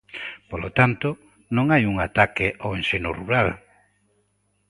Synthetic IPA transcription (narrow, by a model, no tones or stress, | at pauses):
polot̪ant̪o | nõŋajuŋat̪akɪʔowẽnsenʊruɾal